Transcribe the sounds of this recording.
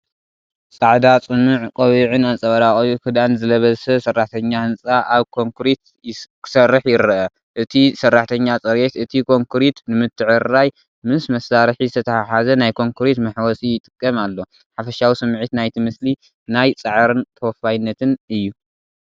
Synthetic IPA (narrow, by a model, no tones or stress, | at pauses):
sʼaʕd̪at͡sʼɨmɨʕkʼɐβiʕɨnant͡sʼɐβɐɾaχʼjukʰɨd̪anzɨlɐβɐzsɐsɐrːaħt̪ʰɐɲːahɨnt͡sʼaʔaβkʰo̞ŋkʰɾit̪ | kʰɨ̥sɐrːɨħjɪɾɐʔɐ | ʔɨt̪ʰisɐrːaħt̪ʰɐɲːat͡sʼɐɾjet̪ɨt̪ʰikʰo̞ŋkʰɨɾit̪nɨmɨt̪ʰːɨʕɨɾːaj | mɨsmɐsaɾħizɨt̪ʰɐt̪ʰɐaħazɐnajkʰoŋkʰɨɾit̪mɨħwɔsʼijɪt̪ʼɨkʼːɐmalːo̞ | ħafɐʃawisɨmʕit̪najt̪ʰimɨsli | najt͡sʼɨʕɾɨnt̪ʰɐwɔfːajnːɐt̪ʰɨnɨjːu